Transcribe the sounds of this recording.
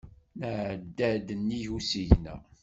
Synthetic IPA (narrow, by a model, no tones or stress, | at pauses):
nʕd̪ːæd̪ənːijusiʝnæ̰